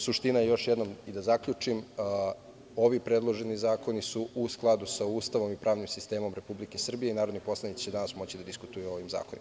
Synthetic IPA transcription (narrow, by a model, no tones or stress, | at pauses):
suʃt̪inajejo̞ʃjed̪no̞mid̪azakʎut͡ʂim | o̞ʋipɾe̞d̪lˠo̞ʒe̞nizaːko̞nisuʔusklˠad̪usauːst̪aʋo̞mipɾʔaːʋnimsist̪e̞ːmo̞mɾe̞publike̞sr̩bije̞inaːɾo̞d̪nopo̞slˠanit̪si̥t͡ɕeanasmo̞t͡ɕid̪ad̪iskut̪ujuo̞ʋimza̰ːkonḭma